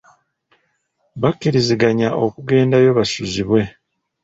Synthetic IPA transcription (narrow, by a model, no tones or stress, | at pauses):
βakːiɾiziɡaɲaʔo̞kuɡe̞ːndajo̞βasuziβwe̞